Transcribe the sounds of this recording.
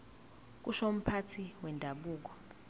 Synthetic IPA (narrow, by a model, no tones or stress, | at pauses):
k̬uʃom̩pʰatʰiwɛndʱaɓuːk̬ɔ̥